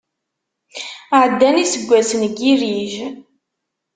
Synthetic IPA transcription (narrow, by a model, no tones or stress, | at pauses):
ʕd̪ːænisəɡʷːæsənɡiɾiʒ